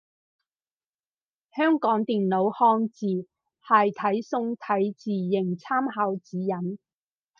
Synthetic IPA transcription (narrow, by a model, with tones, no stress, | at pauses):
hœː˥ŋkɔː˨˥ŋt̪iː˨nlo˨˧whɔː˧ŋt͡siː˨˩ | haː˧jt̪ʰɐ˨˥jsʊ˧ŋt̪ʰɐ˨˥jt͡siː˨˩jɪ˨˩ŋt͡sʰaː˥mhaː˨˧˥wt͡siː˨˥jɐ˨˥n